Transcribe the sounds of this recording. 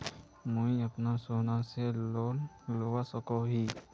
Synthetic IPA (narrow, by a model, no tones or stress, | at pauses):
mujapnasɔnasɛ | lɔwasɔkɔɦi